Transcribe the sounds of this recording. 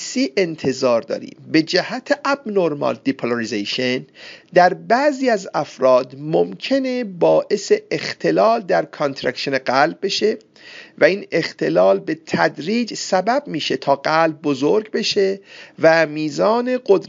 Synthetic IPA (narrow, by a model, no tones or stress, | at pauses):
siːʔe̞nt̪ʰe̞zɒːɾd̪ɒ̰ːɾḭːmbe̞d͡ʒæhæt̪ʰeʔæbnoɾmɑ̰ld̪ipʰoloɾizeʃend̪æɾbæʔziːæzæfɾɒːd̪momcʰe̞ne̞bɒːʔe̞se̞ʔext̪ʰe̞lɒːld̪æɾkʰont̪ʰɾækʃeneɢælb̚ːe̞ʃe̞ | væiːne̞xt̪ʰe̞lɒːlbe̞t̪ʰæd̪ɾiːd͡ʒsæbæb̚miːʃe̞t̪ʰɒːɡælb̚ːozoɾɡbe̞ʃe̞væmiːzɒːne̞ɡod̪ɾ